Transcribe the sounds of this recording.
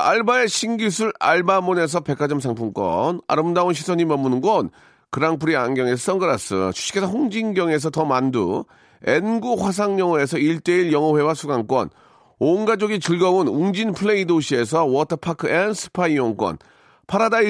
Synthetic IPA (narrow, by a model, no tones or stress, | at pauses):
a̰ɭbaeɕʰiŋɡis̬ʰuɾa̰ɭbamone̞s̬ʰʌpe̞k͈ʰad͡ʑʌmsʰaŋpʰuŋk͈wʌ̰na̰ɾɯmdaonɕ̬ʰisʰʌɲimʌmːunɯnɡʌn | kɯɾaŋpʰɯɾiaŋɡjʌŋe̞sʰʌs͈ʌŋɡɯɾas͈ɯ̰t͡ɕʰu̥ɕ͈ʰi̥kʰesʰʌɸoŋd͡ʑiŋɡjʌŋe̞s̬ʰʌtʌmandṵ | e̞nɡuɸwas̬ʰaŋɲʌŋʌe̞s̬ʰʌiɭt͈e̞iɭjʌŋʌɸwe̞wasʰuɡaŋk͈wʌ̰n | onɡad͡ʑoɡit͡ɕɯɭɡʌɯnuŋd͡ʑinpʰɯɭe̞idoɕʰie̞s̬ʰʌwʌtʰʌpʰakʰɯensʰɯ̥pʰaioŋk͈wʌ̰n | pʰaɾadai